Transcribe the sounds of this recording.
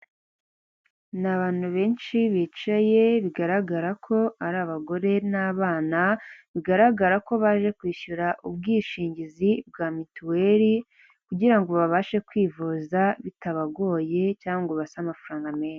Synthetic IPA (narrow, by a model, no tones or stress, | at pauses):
naβaːn̥huβe̞ːnʃiβit͡ʃaje̞βiɡaɾaɡaɾakʰo̞aɾaːβaɡo̞ɾe̞naːβaːnaβiɡaɾaɡaɾako̞βaʒe̞kwiːʃuɾaʔub̚ɡiːʃiːɲɟizibɡaːmituwe̞ɾi | kuɟiɾaŋɡo̞βaβaːʃekwiːvuzaβitaβaɡo̞ːje̞caːŋɡoβasamafuɾaːŋɡame̞ːna